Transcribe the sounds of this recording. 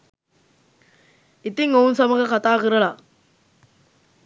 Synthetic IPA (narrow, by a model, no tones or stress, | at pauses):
ɪt̪ːiŋoːnsɐmɐɣɐkɐt̪ːaːɣɯɾɐlaː